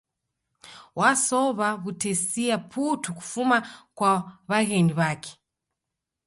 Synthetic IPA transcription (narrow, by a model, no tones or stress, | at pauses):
wʔasɔβaβutɛsiapʰutuku̥fumakwaβaɣɛndiβakʰe̥